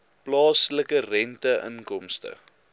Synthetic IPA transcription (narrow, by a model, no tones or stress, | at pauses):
plɑːsləkərɛntəʔə̰ŋkɔmstə̰